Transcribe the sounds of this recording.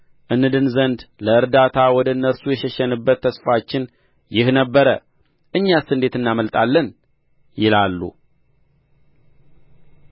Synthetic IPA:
ʔɨnːɨd̪ɨnzənd̪ləɨɾd̪at̪ʰawɔd̪əɨnːəɾsujɛʃɛʃɛnɨbːət̪ʰːəsfat͡ʃːɪn | jɪhnəbːəɾə | ʔɨɲːasɨnd̪e̞t̪ɨnːaməlt̪ʼalːən | jɪlalːṵ

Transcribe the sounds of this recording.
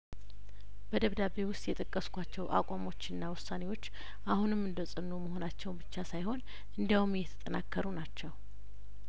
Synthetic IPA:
b̥əd̪əβd̪abe̞wʊst̪ʼjɛt̪ʼəkʼːəskʷat͡ʃːɛwʔa̰kʷʼamo̞t͡ʃːɨnːawʊsːane̞wo̞t͡ʃː | ʔahunɨmːɨnd̪əsʼɨnːuməho̞nat͡ʃːɛwbɨt͡ʃːasajho̞n | ʔɨnd̪iawumjɛt̪ʰə̥t̪ʼənakːəɾunat͡ʃːɛw

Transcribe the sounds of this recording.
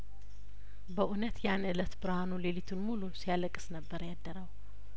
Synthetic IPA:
bəʔunət̪janʔɨlət̪bɨɾhanulelit̪ʰunmulusijaləkʼːɨ̥snəbːəɾjad̪ːəɾəw

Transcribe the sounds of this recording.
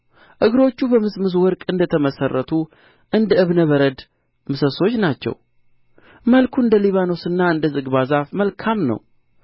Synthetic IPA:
ʔɨɡɾo̞t͡ʃːubəmɨsmɨzwɔɾkʼɨnd̪ət̪ʰəməsərːət̪ʰu | ʔɨnd̪əʔɨβnəβəɾəd̪ | mɨsəso̞t͡ʃːnat͡ʃːɛ̰w | məlkʰuɨnd̪əliβano̞sɨnːaɨnd̪əzɨɡβazafməlkʰamnə̰w

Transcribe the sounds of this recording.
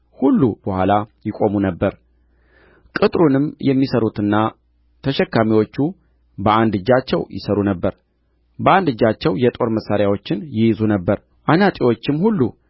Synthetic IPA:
hulːub̥əhʷalajɪkʼo̞munəbːəɾ | kʼɨt̪ʼɾunɨmjɛmːisəɾut̪ɨnːa | t̪ʰəʃɛkːamiwo̞t͡ʃːu | bəand̪ɨd͡ʒːat͡ʃːɛwjɪ̰səɾunəbːəɾ | bəand̪ɨd͡ʒːat͡ʃːɛwjɛt̪ʼo̞ɾməsːaɾjawo̞t͡ʃːɪnjɪjzunəbːəɾ | ʔanat̪ʼiwo̞t͡ʃːɪmhulːu

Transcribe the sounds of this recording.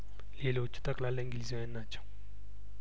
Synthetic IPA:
lelot͡ʃʰːu̥t̪aklalːaŋɡilizwɛnːat͡ʃʰḁŋ

